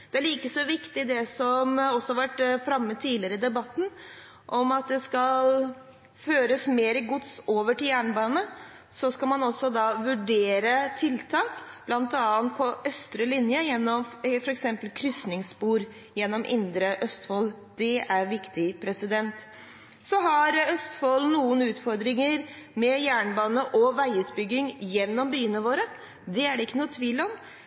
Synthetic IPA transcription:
d̪̥ɛæɭiːkəsɔʋɪkt̪ɪd̪ɛsɔmɔsːɔhɑɾʋæʈːfɾɑmːəd̪̚t̪ʰːiːlɪəɾəɪd̪ɛbɑt̪ːn̩ | ʔɔmɑt̪̚d̪ɛskɑl | føːɾəsmeːɾɪɡʊt̪soːʋəʈɪljæːɳbɑːnə | sɔskɑlmɑnɔsːɔd̪ɑʋʉɖeːɾət̪ʰɪlt̪ʰɑːkb̥lɑnt̪ɑːənt̪̚pʰɔʔœst̪ɾəlɪnjəjɛnːɔmfɔɾɛksɛmpəlkʰɾʏsnɪŋspuːɾ | jɛnːɔmʔɪ̰nd̪ɾəʔœst̪foːl | d̪̥ɛæɾʋɪkt̪ɪpʰɾɛsɪd̪ɛnt̪ | sɔɦɑɾœst̪foːlnuːənʉːt̪fɔɾd̪ɾɪŋəɾmɛjæːɳbɑːnəʔɔʋæɪʉːt̪bʏɡːɪŋjɛnːɔmbyːənəʋoːɾə | d̪ɛæɖɛɪkːənuːət̪ʰʋiːlɔm

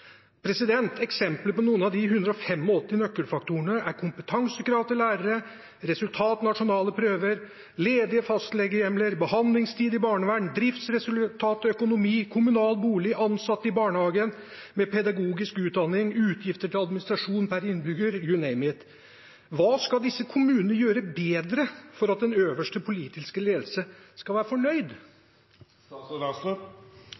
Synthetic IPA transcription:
pʰɾɛsɪd̪ɛnt̪ʰɛksɛmpləpɔnuːənɑʋd̪ɪɦʉnd̪ɾəɔfɛmːɔɔt̪ːɪnœkːəɾfɑk̚t̪uəɳəʔæɾkʰʊmpət̪ʰɑŋsəkɾɑːʋt̪ɪlæːɾəɾə | ɾɛsʉlt̪ʰɑːt̪nɑʂʊnɑːləpʰɾøːʋəɾ | leːd̪ɪəfɑst̪lɛɡəjɛmləɾbəhɑnd̪lɪŋst̪ʰiːd̪ɪbɑːɳəʋæɖɳ̩d̪ɾɪft̪sɾɛsʉlt̪ʰɑːt̪œkʊnʊmiːkʰʊmʉnɑːlt̪buːlɪʔɑnsɑt̪ːɪbɑːɳəhɑːɡənmɛpʰɛd̪ɑɡuːɡɪskʉːt̪̚d̪ɑnɪŋʉːt̪ʰjɪft̪əʈʰɪlɑd̪mɪnɪst̪ɾɑʂuːnpʰæɾɪnːbʏɡəɾjʉnɛɪmɛt̪ | ʋɑːskɑld̪ɪsːəkʰʊmʉːnənəjøːɾəbeːd̪ɾəfɔɾɑt̪̚d̪ɛnøːʋəʂʈəpʰʊliːt̪ɪskəleːd̪l̩səskɑlʋæːɾəfɔɳœʏd̪

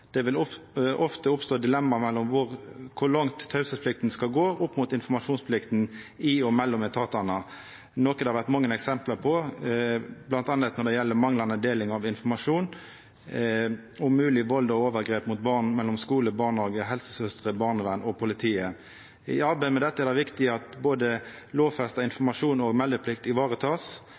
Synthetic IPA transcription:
d̪̥ɛʋɪlʊʔɔft̪əʊpst̪oːd̪ɪlɛmːɑmɛlːɔmʋʊʁkʰʊʁlɑŋt̪ʰːɑʉsəpʰlɪkt̪nskɑlɡoːʔʊpːmʊt̪ɪnfɔmɑʂuːnspʰlɪkt̪n̩ | ɪɔmɛlːɔmɛt̪ʰɑːt̪ɑnɑ | noːkəd̪ɛhɑɾʋæʁt̪mɑŋːənɛksɛmpləpʰɔ | blɑnt̪ɑnət̪nɔʁd̪ɛjɛlːəmɑŋlɑnəd̪eːlɪŋɑʋɪnfɔmɑʂuːn | ʊmʉːlɪʋɔld̪ɔoːʋəɾɡɾeːpmʊt̪̚bɑʁnmɛlːɔmskuːləbɑʁnɑːɡəɦɛlsə̥sœst̪ʁəbɑʁnəʋænɔpʰʊlɪt̪ʰiːə | ɪ̰ɑɾbæɪmɛd̪ɛt̪ːəɛʁd̪ɑʋɪkt̪ɪəɑt̪boːd̪ə | loːʋfɛst̪ɑɪnfɔmɑʂuːnɔɡmɛld̪əpʰlɪk̚t̪ɪʋɑːʁət̪ʰɑːs

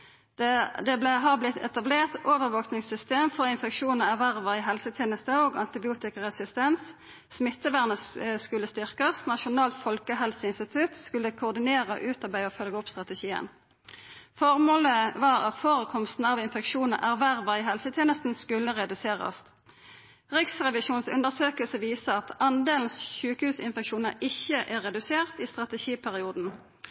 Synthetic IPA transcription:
d̪ɛblɛɦɑʁblɪt̪ʰɛ̰t̪ɑbleːʁt̪oːʋəʁʋoːknɪŋsʏst̪eːmfɔʁɪnfɛkʃuːnəæʋæʁʋəʁɪɦɛlsət̪ʰjeːnəst̪əoːɡɑ̰nt̪ɪbɪuːt̪ɪkəʁɛsɪst̪ɛns | smɪt̪ːəʋæːʁnəsskʉlːəst̪ʏʁkəsnɑʃʊnɑːlt̪fɔlkəɦɛlsəɪnst̪ɪt̪ʰʉt̪skʉlːəkʰʊːʁd̪ɪneːʁəʔʉːt̪ɑʁbæɪɔːfœlɡəɔpst̪ʁɑt̪ɛʃiːə̰n | fɔʁmoːləʋɑːʁɑt̪foːʁəkʰɔmst̪n̩ɑʋɪnfɛkʃuːnəʔæʁʋæʁʋɑɪɦɛlsət̪ʰjeːnəst̪n̩skʉlːəʁɛd̪ʉseːʁɑ̰st̪ | ʁɪksʁɛʋɪʃuːnsʉ̰nd̪əʁsøːkəlsəʋiːsəɑt̪ɑnd̪eːln̩sçʉːkəhʉːsɪnfɛkʃuːnəɪçəʔæːʁɛd̪ʉseːʁt̪iːst̪ʁɑt̪ɛʃiːpʰæʁɪuːd̪n̩

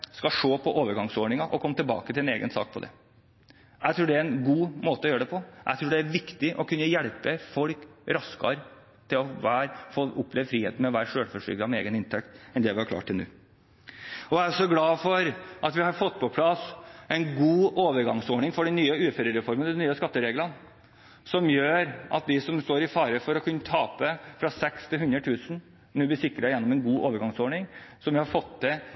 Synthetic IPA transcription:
skɑʂoːpʰɔʔoːʋəɾɡɑŋsoːɳɪŋɑʔɔkʰɔmːət̪ɪlbɑ̰ːkət̪ʰɪlɛneːɡənsɑ̰ːk̚pʰɔd̪ɛ̰ | jæɪt̪ʰɾuːɖɛæɾɛnɡuːmoːt̪əɔjøːɾəɖɛpʰɔʔæ̰t̪ʰɾuːɖɛæɾʋɪkt̪ɪʔɔkʰʉnːəjɛɭpəfɔlkɾɑskɑ̰ɾ | t̪ʰɪlɔʋæːɾfoːʔʊpʰːlɛʋfɾiːheːt̪n̩mɛʋæːɾʂøːlfɔʂʏ̰ɡɾɑmɛḛːɡənɪnt̪ʰɛkt̪ɛnd̪ɛʋɪhɑɾk̪ʰɑ̰ːʈʰːɪlnʉ̰ː | ɔʋæɾsɔɡlɑːfɔɾʔɑt̪ʋɪhɑɾfɔt̪ːpʰɔpʰlɑsɛɪnɡuːoːʋəɾɡɑŋsoːɳɪŋfɔɖɛnyːəʉːfɛɾəɾɛfɔɾmənəd̪ɛnyːəskɑt̪ːəɾeːɡlən | sɔmjøːɾʔɑ̰t̪̚d̪ɪsɔmst̪oːɾɪfɑːɾəfɔɾɔkʰʉnːət̪ʰɑːpəfɾɑsɛkst̪ʰɪlɦʉnd̪ɾət̪ʰʉːsn̩ | nʉːb̪ɪsɪkːɾəjɛnːɔmɛnɡuːʔoːʋəɾɡɑŋsoːɳɪŋsɔmʋɪhɑɾfɔt̪ːd̪ɛ

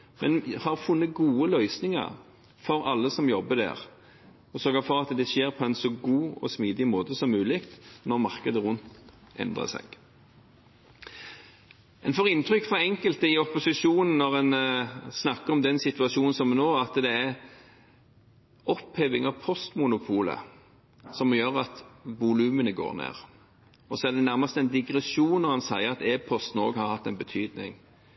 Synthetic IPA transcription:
mɛnhɑʁfʊnːəɡuːəlœʏsnɪŋə̰ɾ | fɔɾɑlːəsɔmjɔbːəd̪æ̰ːʁ | ɔsœːɡəfɔʁɑt̪d̪ɛʃeːʁpʰɔɛnsɔɡuːɔ̰smiːd̪ɪmoːt̪əsɔmːʉːlɪkt̪nɔʁmɑʁkəd̪əʁʉnt̪ | ɛ̰nd̪ʁə̰sɛ̰ɡ̥ | ɛnfɔʁɪnt̪ʰʁʏkːfɑɛŋkəlt̪əɪɔpʊsɪʂuːnn̩ːɔʁɛnsnɑkːəʁɔmd̪ɛnsɪt̪ʉɑʃuːnn̩sɔmnoːɑt̪d̪ɛæʁ | ɔpheːʋɪŋɑʋpʰɔst̪mʊnʊpʰuːlə̰ | sɔmjøːʁɑt̪ʋʊlʉːmənəɡo̰ːʁnḛːʁ | ɔsɔæʁd̪ɛnæʁmɑst̪əɛnd̪ɪɡʁɛsuːnːɔʁhɑnsæɪəʁɑt̪eːpʰɔst̪n̩oːɡhɑɾhɑt̪ːɛɪnbət̪ʰyːd̪nɪ̰ŋ

